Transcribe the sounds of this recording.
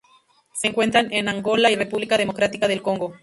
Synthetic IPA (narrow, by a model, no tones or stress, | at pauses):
seːŋkwe̞nt̪ɾanenaŋɡo̞laire̞puβlikaðemo̞kɾat̪ikaðe̞lko̞ŋɡo̞